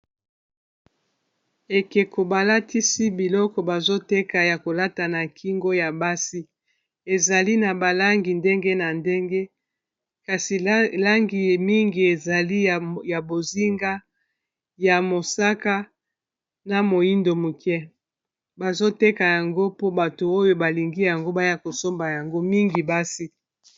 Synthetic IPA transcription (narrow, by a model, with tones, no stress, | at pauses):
e˨ke˨ko˨ba˨la˦tʰi˦si˦bi˨lɔ˦kɔ˨ba˨zo˦te˦ka˨ja˨ko˨la˦ta˨na˨kʰi˦ŋɡo˦ja˨ba˦si˦ | e˨za˨li˦na˨ba˨la˦ŋɡi˨nde˦ŋɡe˦na˨nde˦ŋɡe˦ | ka˨si˨la˦ŋɡi˨mi˦ŋɡi˨e˨za˨li˦˨ja˨bo˨zi˦ŋɡa˦ | ja˨mo˨sa˦ka˦ | na˨mo˨ji˦ndo˨mu˨kɛ˦ | ba˨zo˦te˦ka˨ja˨ŋɡo˦po˦ba˨to˨o˦jo˦ba˨li˨ŋɡi˦ja˨ŋɡo˦ba˦ja˦ko˨so˦mba˨ja˨ŋɡo˦mi˦ŋɡi˨ba˦si˦